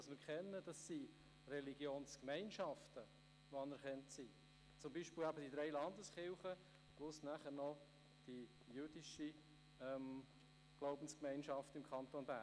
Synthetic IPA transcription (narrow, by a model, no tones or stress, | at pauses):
ɑsmɪɾkχɛnːəd̥ɑsːi | rɛliɡ̥joːnskmɛɪnʃɑftə | ʋoɑnəɾχɛntsiː | t͡sʊmbiːʃpɪlæbəd̥id̥ɾɛɪlɑnd̪əsχɪlχə | plʊsnæχəɾnɔ | d̥i | jyd̥iʃi | ɛm | ɡ̥loʊbən̩skmɛɪnʃɑftɪmkʰχɑnt̪onbæ̰ː